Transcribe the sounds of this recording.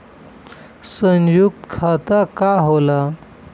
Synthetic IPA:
sə̃njuk̚t̪kʰat̪akaɦola

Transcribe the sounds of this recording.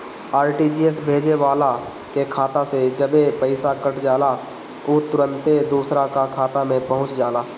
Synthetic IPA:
aːɾʈiːd͡ʒiːesbʱeːd͡ʒeʋaːla | kekʰaːt̪ased͡ʒəbepəɪsakəʈʰd͡ʒaːla | oːt̪ʊɾə̃nt̪ed̪uːsɾakakʰaːt̪amẽpəɦʊ̃t͡ʃd͡ʒaːlaː

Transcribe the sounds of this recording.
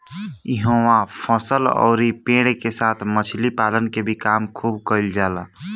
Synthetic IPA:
ɪɦoːwapʰəsəlɔ̰ːɾipẽːɽekesaːt̪ʰmət͡ʃʰlipaːlənkebʱikaːmkʰuːbkəɪld͡ʒaːlaː

